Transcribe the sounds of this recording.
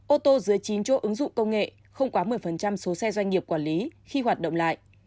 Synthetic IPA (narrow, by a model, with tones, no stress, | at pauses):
ʔo˧t̪o˧zɨ˨˦əjt͡ɕi˨˦nt͡ɕɔ˨˦ʔɨ˨˦ŋzʊ̰˧˨ŋ͡mkə˧wŋ͡mŋḛ˧˨ | xə˧wŋ͡mkwaː˨˦mɨ˨˩əjfə˨˩nt͡ɕa˧mso˨˦sɛ˧zwa˧jŋ̟ŋi˨˩əp̚kwaː˧˩nli˨˦xi˧ɦwaː˨˩t̚ɗə̰˧˨ŋ͡mla̰ː˧˨jʔ